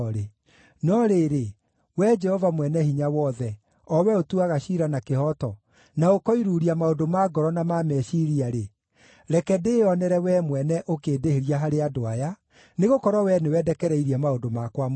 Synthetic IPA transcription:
ɾe | nɔɾeɾe | wɛd͡ʒɛhɔvamwɛnɛhiɲawɔðɛ | ɔwɛotuaɣaɕiɾanakehɔtɔ | naokɔiɾuːɾiamaodomaɡɔɾɔnamamɛʃiɾiaɾe | ɾɛkɛdeɔnɛɾɛwɛmwɛnɛʔokeːdeheɾiaɦaɾeadoaja | neɣokɔɾɔwɛnewɛdɛkɛɾɛiɾiamaodomakwam

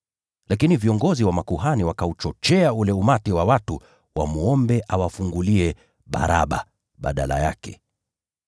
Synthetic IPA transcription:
lakiniviɔŋɡɔziwamakuɦaniwakaut͡ʃɔt͡ʃɛaulɛumatiwawatu | wamuɔmbɛʔawafuŋɡuliɛ | ɓa̰ɾa̰ɓa | ɓa̰ɗa̰la̰ja̰kɛ

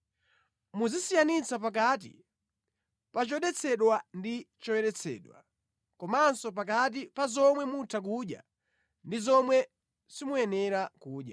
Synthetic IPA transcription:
muzisijanit͡sʰap̬ak̬aːt̬ḭ | pat͡ʃɔɗɛt͡sʰɛɗwandit͡ʃɔwɛɾɛt͡sʰɛ̰ːɗwa̰ | kɔmansɔp̬akat̬ipazɔmwɛmutʰak̬uɗja̰ | ndizɔmwɛ | simujɛnɛɾakuːɗja̰

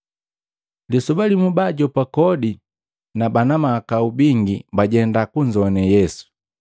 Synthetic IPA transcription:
lisubalimubaɟɔpakɔdi | nabanamakaubiŋɡibaɟɛndakuɲd͡ʒɔnɛjɛsu̥

